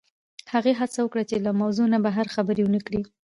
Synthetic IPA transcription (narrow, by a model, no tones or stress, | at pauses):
haɣeɦat͡sawəkɽat͡ʃelamawzonabaɦaɾxabəɾewənəkɽi